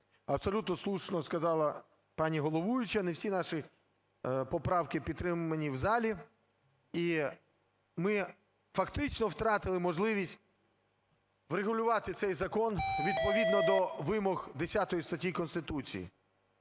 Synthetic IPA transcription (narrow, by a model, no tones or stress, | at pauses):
ɐbsɔlʲut̪nɔslˠuʃnɔskɐzɑlˠɐ | pɑnʲiɦɔlˠɔʋujʊt͡ʃɐnewsʲinɑʃi | pɔpɾɑwkɪpʲit̪t̪ːɾɪmʊɐnʲiwzɑlʲi | i | mɪ | fɐkt̪ɪt͡ʃnɔwt̪ɾɑt̪ɪlˠɪmɔʒlˠɪʋʲisʲtʲ | ʋreɦʊlʲʊʋɑt̪ɪt̪sɛjzɐkɔnʋʲid̪̚pɔʋʲid̪nɔd̪ɔʋɪmɔɣd̪esʲat̪ɔjist̪ɐtʲːikɔnst̪ɪt̪ut͡sʲḭjḭ